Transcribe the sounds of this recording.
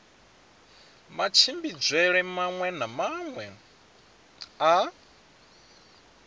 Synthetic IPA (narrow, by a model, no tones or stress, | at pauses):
mat͡ʃʰimbid͡zʷwɛɺɛmaŋwɛnamaŋwɛ | a